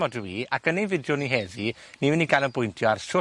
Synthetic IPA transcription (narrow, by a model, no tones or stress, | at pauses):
ɔdwiːakənejnvɪdjʊniɦɛði | niɪniɡanəbʊjntʰjɔarʃʊ